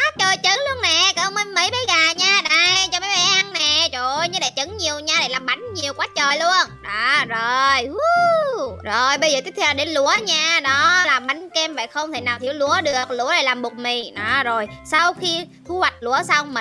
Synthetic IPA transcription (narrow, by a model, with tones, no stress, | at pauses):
a˨˦t͡ɕəː˨˩jt͡ɕə˨˦ŋlu˧ənnɛ˨˩kə˧˦˧wŋ͡mmə˧nmə˧˦jɓə˨˦jɣaː˨˩ɲaː˧ɗə˧˩jt͡ɕɔ˧ɓa˨˦jɓa˨˦ʔjʔa˧ŋnɛ˨˩t͡ɕo˨˩ɲɨ˧ɗa̰˧˩˦jt͡ɕə˨˦ŋɲi˨˩əwɲaː˧ɗa̰˧˩jlaː˨˩mɓa˨˦jŋ̟ɲi˨˩əwkwaː˨˦t͡ɕəː˨˩jlu˧ənʔaː˨˩zo˨˩ju˨˦ | zo˨˩jɓə˧jzəː˨˩t̪i˦˥t̚t̪ʰɛ˧˨˩ɗe˨˦nlu˧˥əɲaː˧ɗɔ˨˦laː˨˩mɓa˨˦jŋ̟kɛ˧mva̰ː˧˨˩jxə˧wŋ͡mt̪ʰe˧˩naː˨˩wt̪ʰi˧˨ə˦wlu˧˥əɗɨ˨˩ə˩k̚lṵ˧˥əɗa̰˧˩jlaː˨˩mɓu˨˩t̚mḭ˨nɔ˨˩zo˨˩jsa˧wxi˧t̪ʰu˨˦hwa˨˩jk̟̚lu˧˦əsa˧wmi˨˩